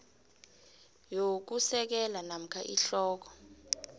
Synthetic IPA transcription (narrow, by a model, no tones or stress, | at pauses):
jok̬usɛk̬ɛlanam̩kʰaʔiɬɔːk̬ɔ̥